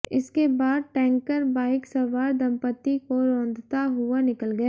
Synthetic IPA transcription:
ɪskebaːd̪̚ʈɛ̃ːŋkəɾbaːɪksɐʋaːɾd̪ɐmpət̪ːikoɾõːnd̪ʱt̪aɦʊanɪkəlɡɐaː

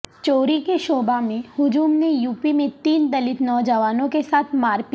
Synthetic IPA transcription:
t͡ʃoːɾikeʃoːbamẽhʊd͡ʒuːmnejuːpimẽt̪iːnd̪ɐlɪt̪nɔːd͡ʒəʋaːnõkesaːt̪ʰmaːɾpi

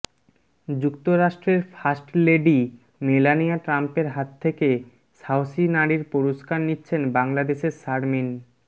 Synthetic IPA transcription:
d͡ʑukt̪oɾaʃʈɾeɾfʰasʈleɖi | melanijaʈɾampeɾɦat̪ʰːeke | sawsinaɽiɾpoɾoʃkaɾnitːɕʰenbaŋlad̪eʃeɾʃaɾmin

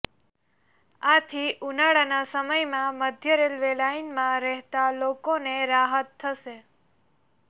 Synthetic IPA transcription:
at̪ʰiʔunaɭanasəməjmãməd̪ʱjəɾelʋelainmãɾɛɦt̪alokoneɾaɦət̪ʰːəʃe

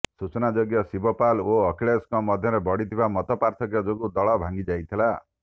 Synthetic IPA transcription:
sut͡ʃɔnad͡ʒɔɡjɔsibɔpaloːkʰiɭeskɔmɔd̪ʱjɔɾebɔɽit̪ʰibamɔt̪ɔpaɾt̪ʰɔkjɔd͡ʒoɡud̪ɔɭɔbʱaŋɡid͡ʒajt̪ʰila

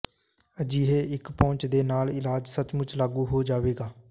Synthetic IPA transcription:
əd͡ʒiːɦeːɪkpɔ̃ːɲt͡ʃd̪eːnaːlɪlaːd͡ʒsət͡ʃmʊt͡ʃlaːɡuːɦoːd͡ʒaːʋeːɡaː

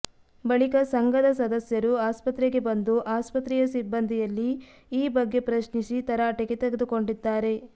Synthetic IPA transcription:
bɐɭikɐsɐŋɡɐd̪ɐsɐd̪ɐsjɐɾuaːspɐt̪ɾeɡe̞bɐnd̪uʔaːspɐt̪ɾiːjɐsibːɐnd̪ʱijɐlːiː | bɐɡːe̞pɾɐʃnisit̪ɐɾaʈɐɡet̪ɛɡed̪uko̞ɳɖid̪ːaːɾe̞

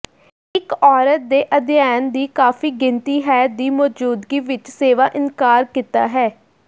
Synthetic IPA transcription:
ɪkɔːɾət̪̚d̪eːʔəd̪ɪjɛːnd̪iːkaːfiːɡɪnt̪iːɦɛːt̪̚d̪iːmɔːd͡ʒuːd̪ɡiːʋɪt͡ʃseːʋaːʔɪnkaːɾkit̪a̰ːɦɛː

